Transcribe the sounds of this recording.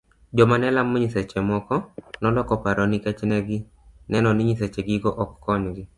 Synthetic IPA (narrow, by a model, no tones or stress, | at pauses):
d͡ʒɔmanɛlamːɔɲiset͡ʃɛmɔkɔnɔlɔkɔpaɾɔnikɛt͡ʃnɛɡɪ | nɛnɔnɪɲiset͡ʃeɡɪɡɔʔɔkːɔɲɡɪ